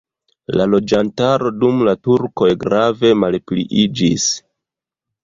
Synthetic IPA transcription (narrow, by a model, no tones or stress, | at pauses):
lalo̞d͡ʒantaɾo̞dumlatuɾko̞jɡɾave̞malplḭʔid͡ʒis